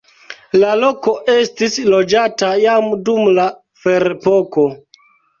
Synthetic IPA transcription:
lalo̞ko̞ʔe̞stislo̞d͡ʒatajamdumla | fe̞ɾepo̞ko̞

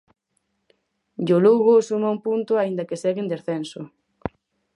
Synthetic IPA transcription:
ʎoluɣosumaũmpunt̪ʊaind̪ɐkeseɣend̪esθensʊ

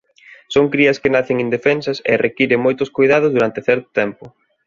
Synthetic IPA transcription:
soŋkɾiɐskɪnaθɪŋind̪efɛnsɐsḛrʔekiɾeŋmojt̪ʊskojðað̞ʊzðuɾant̪ɪθɛɾt̪ʊ̥t̪ɛmpʊ

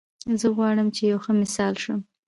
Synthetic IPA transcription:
zəɣwɑɽəmt͡ʃejawxəmɪsɑlʃə

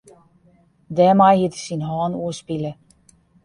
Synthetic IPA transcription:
dɛːmajhitəsinɦɔːnuəspilə

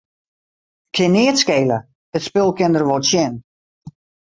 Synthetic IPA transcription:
kʰɪnɪətskeːlə | ətspɪlˠkɪndərʋotsjɛn

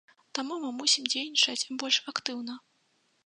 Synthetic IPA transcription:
t̪amumɨmusʲimd͡zʲejʲnʲit͡ʂɐt͡sʲbɔlʲʂakt̪ɨwnɐ

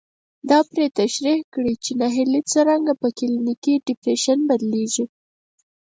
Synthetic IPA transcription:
d̪ɑpɾet̪aʃɾihkɽit͡ʃenɑɦilit͡səɾaŋɡapəkɪlinikiɖɪpɾeʃanbad̪leʒi

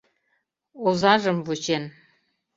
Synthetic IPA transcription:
ozɑʒəmvut͡ɕen

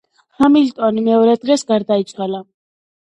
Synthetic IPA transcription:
hamilt̪ʼɔnimɛɔɾɛd̪ʁɛsɡaɾd̪ait̪t͡ʃ̪ʼχɛla

